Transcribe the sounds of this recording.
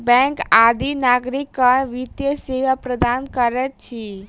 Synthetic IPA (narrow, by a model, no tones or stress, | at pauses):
bɛ̃ŋkad̪ʱinaɡɾikːəɾʋit̪jəseʋapɾəd̪ankəɾɛt̪̚t͡ʃʰi